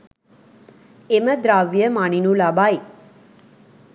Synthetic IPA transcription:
eməd̪ɾaʋjəmaɳinulabai

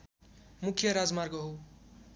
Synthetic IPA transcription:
mukʰjʌɾad͡zmarɡʌɦo

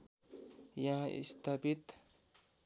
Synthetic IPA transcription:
jãḭst̪abit̪

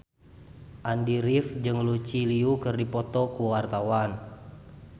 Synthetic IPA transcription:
ʔandiɾifd͡ʒɨŋlut͡ʃiliukɨrdipɔt̪ɔkuwart̪awan

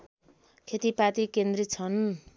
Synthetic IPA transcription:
kʰet̪ipat̪ikend̪rit̪̚t͡sʰʌn

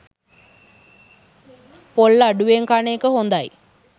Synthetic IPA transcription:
polːaɖuʋeŋkaneəkəɦond̪aj

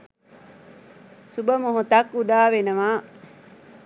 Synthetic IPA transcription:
subəmoɦot̪ɐkːud̪aːʋenəʋaː

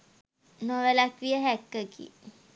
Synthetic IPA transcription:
noʋelak̪ʋijəɦækːəɡḭ

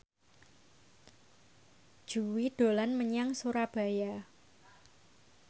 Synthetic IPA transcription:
d̥ʒ̥uwid̥o̤lanməɲaŋsuɾab̥a̤ja

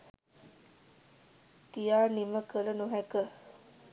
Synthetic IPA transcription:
kijaːniməkələnuɦɛkə

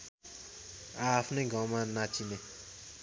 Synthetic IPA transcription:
aːpʰnʌjɡʌwmanat͡sine

